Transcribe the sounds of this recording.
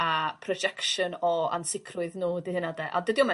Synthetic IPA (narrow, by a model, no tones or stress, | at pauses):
apʰrɔd͡ʒɛkʃənɔa̰nsɪkʰrʊɨðnuːdihɨnadɛʔa̰dədiɔmɛ